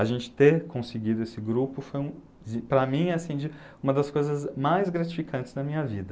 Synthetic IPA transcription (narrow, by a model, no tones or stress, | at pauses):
ɐʒẽnt͡ʃɪ̥t̪eɾkʰõsɪɡid̪ʊesɪɡɾupʊfojũ | d͡ʒɪpɾɐmĩɛɐsĩd͡ʒɪ | ũmɐd̪ɐskojzɐzmajzɡɾat͡ʃi̥fikʰɐ̃nt͡ʃɪ̥znɐmĩɲɐvid̪ɐ